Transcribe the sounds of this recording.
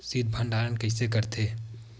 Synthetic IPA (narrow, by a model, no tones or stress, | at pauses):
sid̪̚bʱə̃ɳɖaːɾənkɐɪsekɐɾt̪ʰeː